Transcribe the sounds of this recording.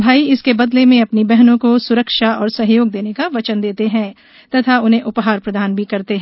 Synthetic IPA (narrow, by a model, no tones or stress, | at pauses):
bʱaːiɪskebɐd̪lemẽɐpnibɛɦnõkosʊɾəkʃaɔːɾsɐɦjoːɡ̚d̪eːnekaʋɐt͡ʃənd̪eːt̪eɦɛ̃ː | t̪ɐt̪ʰaʊnɦẽʔʊpɦaːɾpɾɐd̪ʱaːnbʱikɐɾt̪eɦɛ̃ː